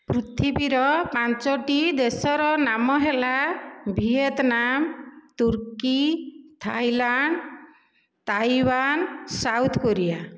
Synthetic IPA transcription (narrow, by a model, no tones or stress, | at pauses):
pɾut̪ʰibiɾɔpant͡ʃɔʈid̪esɔɾɔnamɔɦelabʱiet̪namt̪uɾkit̪ʰajlaɳɖ | t̪ajwansawt̪ʰkoɾija